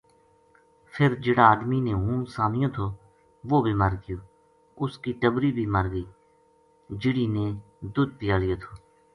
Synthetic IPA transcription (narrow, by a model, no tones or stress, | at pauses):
pʰɪɾd͡ʒɪːɽãːaːd̪miːnẽːɦũːmsaːnɪjõːt̪ʰoː | ʋoːbʱiːməɾɡɪjoː | ʊskiːʈəbɾiːbʱiːməɾɡəiː | d͡ʒɪɽiːnẽː | d̪ʊd̪̚pɪjaːlɪjoːt̪ʰoː